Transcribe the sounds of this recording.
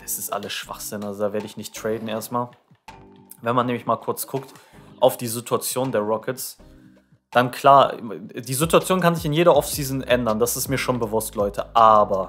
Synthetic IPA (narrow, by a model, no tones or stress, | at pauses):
d̥asɪstʔa̰ləsʃv̥a̰χz̥ɪnalzodaːveːɐɾəɪçnɪçtʁ̥ɛɪdn̩ʔeːɐstmaːl | vɛnmanːɛːmlɪçmaːlkʰʊɐt͡sɡ̥ʊktʔaʊfd̥iːzitʰuat͡sjoːndeːɐʁɔkəts | d̥ankʰl̥aːɐdiːzituat͡sjoːnkʰanzɪçɪnjeːɾɐʔɔfsiːzn̩ʔɛndɐnd̥asɪstmiːɐʃoːnbəvʊstʰlɔʏtʰəʔaːbɐ